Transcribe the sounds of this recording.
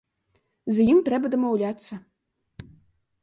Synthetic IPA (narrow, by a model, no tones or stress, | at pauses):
zɐjimt̪ɾɛbɐd̪ɐmɐwlʲat̪sːɐ